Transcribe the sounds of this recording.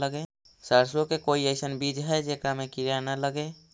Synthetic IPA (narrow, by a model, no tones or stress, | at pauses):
ləɡe | səɾsokekoːieɪsənbid͡ʒɦɛd͡ʒekɾamẽkiɾanələɡe